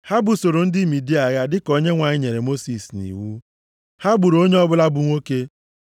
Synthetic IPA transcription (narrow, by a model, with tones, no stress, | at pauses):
ha˦bʊ˨so˨ɾo˨n̩˦dɪ˦˨mi˨di˦a˨ɣa˦dɪ˦ko˦ɲe˦ŋʷa˨ɲɪ˦ɲe˨ɾe˨mo˦si˨snḭ˨wu˦ | ha˦bu˨ɾo˦ɲe˦ɔ˦bʊ˦la˦bʊ˨ŋʷo˦ke˦